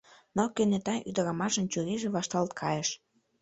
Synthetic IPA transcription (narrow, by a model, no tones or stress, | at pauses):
nokønet̪ɑjʔyd̪ə̆ɾɑmɑʃə̆nt͡ɕuɾiʒĕβɑʃt̪ɑlt̪kʰɑjəʃ